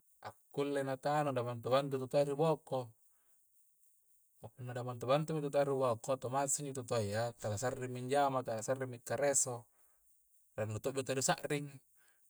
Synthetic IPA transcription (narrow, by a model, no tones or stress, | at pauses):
ʔa̰kːulːenat̪anodabant̪ubant̪̬ut̪ut̪aɾiboko | punːadamant̪ubant̪umit̪̬ut̪aɾibokot̪omasiɲit̪ot̪ojat̪alasarːimːiɲd͡ʒamat̪alasarːimːikːaɾeso | lanːut̪oʔbit̪oadusaʔriŋ